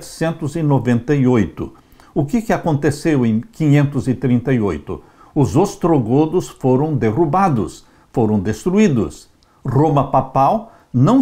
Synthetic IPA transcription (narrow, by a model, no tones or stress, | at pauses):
t͡ʃɪ̥sẽnt̪ʊzɪnovẽnt̪ɐjojt̪ʊ̰ | ʊkɪkɪakõnt̪esewẽj̃kĩɲẽnt̪ʊzɪt̪ɾĩnt̪ɐjojt̪ʊ̰ | ʊzost̪ɾoɡod̪ʊsfoɾɐ̃w̃d̪erubad̪ʊ̰s | foɾɐ̃w̃d̪est̪ɾuid̪ʊ̰s | romɐpapaw | nɐ̃w̃